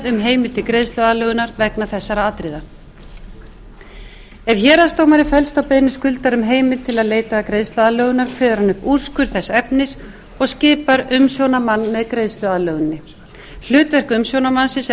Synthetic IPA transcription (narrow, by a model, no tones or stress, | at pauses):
ðʏmɦeːjmɪl̥t̪ʰɪlkɾeːjst̪ʏaðlœɣʏnaɾvɛknaθɛsːaɾaat̪ɾɪːða | ɛvçɛːɾast̪owmaɾɪfɛlst̪awpejnɪskʏlt̪aɾʏmɦeːjmɪlt̪ʰɪlaðleːjt̪akɾejðst̪ʏaðlœːɣʏnaɾ̥kʰvɪːðaɾanʏpur̥skʏɾ̥θɛsːɛpnɪs | ɔɣscɪːpaɾʏmsjownamanːmɛðkɾeːðst̪lʏaðlœɣʏnːɪ | l̥ʏːt̪vɛr̥kʏmsjownamansɪs